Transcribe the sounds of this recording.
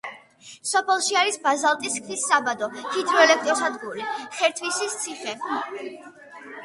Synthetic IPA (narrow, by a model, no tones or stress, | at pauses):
sɔpʰɛlˠʃiaɾisbazalˠt̪ʼiskʰnisːabad̪ɔhid̪ɾɔɛlɛk̚ʰt̪ʼɾɔsad̪ɡuɾiχɛɾt̪ʰvwisist̪sʰiχɛ